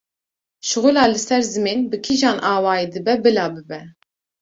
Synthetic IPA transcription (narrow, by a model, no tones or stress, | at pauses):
ʃʊɣʊlɑːlɨsɛɾzɨmeːnbɨkʰiʒɑːnʔɑːwɑːjid̪ɨbɛbɨlɑːbɨbɛ